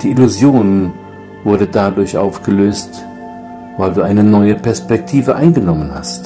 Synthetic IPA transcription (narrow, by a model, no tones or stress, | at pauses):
d̥iːʔɪluzjoːn | vʊɐdədadʊɐçʔa̰ʊfɡ̥əløːst | vaɪlduːʔaɪnənɔʏəpɛɐspɛk̚tʰiːvəʔaɪnɡənɔmənha̰st